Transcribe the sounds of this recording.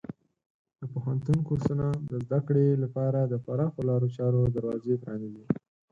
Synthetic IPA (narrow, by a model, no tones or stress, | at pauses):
d̪̥əpohant̪unkuɾsənad̪əzd̪akɽelapɑɾad̪əpaɾɑxolɑɾot͡ʃɑɾod̪aɾwɑzepɾɑniɡi